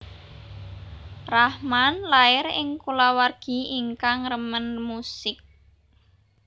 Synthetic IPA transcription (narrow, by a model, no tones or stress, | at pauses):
rahmanlaɪɾɪŋkulawarɡ̥i̤iŋkaŋrəmənmusɪk̚